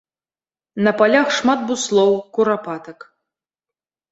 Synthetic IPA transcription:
nɐpalʲaxʂmad̪̚buslˠɔwkuɾapat̪ɐk

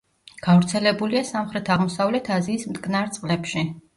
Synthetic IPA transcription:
ɡ̥avɾt̪sʰɛlɛbuliasamχɾɛt̪ʰaʁmɔsavlɛt̪ʰaziːsmt̪ʼkʼnaɾt̪sʼqʼlɛpʃi

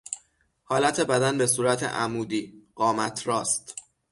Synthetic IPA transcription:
hɒːlæt̪ʰe̞bæd̪ænbe̞suːɾæt̪ʰḛʔæmuːd̪iːɢɒːmæt̪ʰɾɒːst̪

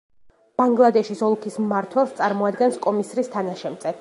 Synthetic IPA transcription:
b̥aŋɡlˠad̪ɛʃisɔlˠkʰismaɾt̪ʰwɛlˠst̪sʼaɾmɔad̪ɡɛnskʼɔmisɾist̪ʰanaʃɛmt̪sʼɛ

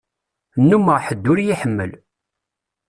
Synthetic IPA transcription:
nːuməʁħəd̪ːʊɾjiħəmːə̰l

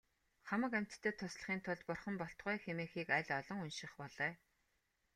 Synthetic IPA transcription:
χamə̆kæm̥ʲt̪ːʰeːt̪ʰʊsɮ̆χiːnt̪ʰʊɮpʊrχə̆mpɔɬt̪ʁʊjxemeːxiːkæɮʲɔɮɞ̆ŋunʃɪ̆χpɔɮœː

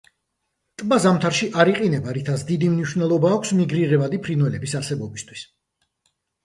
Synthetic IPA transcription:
t̪ʼbazamt̪ʰaɾʃiʔaɾiqʼinɛbaɾit̪ʰasd̪id̪imniʃvnɛlˠɔbaːkʷʰsmiɡɾiʁɛvad̪ipʰɾinwɛlɛbisaɾsɛbɔbist̪ʰwis

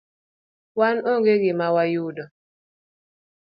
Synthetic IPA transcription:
wanoŋɡeɡɪmawajudɔ

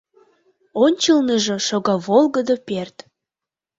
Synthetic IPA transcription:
onʲt͡ɕəlnəʒəʃoɣɑβolˠɣəd̪əpert̪

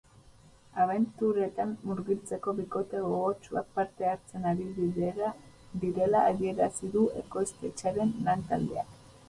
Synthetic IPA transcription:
aβ̞e̞nt̪uɾe̞t̪anːuɾɣit͡se̞ko̞βiko̞t̪e̞ɣoɣot͡ʃua̰k̚paɾt̪e̞aɾt͡se̞naɾiβiðeɾa | d̪iɾe̞laːɣie̞ɾasiðue̞̰ko̞jst̪et͡ʃaɾe̞nːant̪a̰ld̪e̞̰a̰k

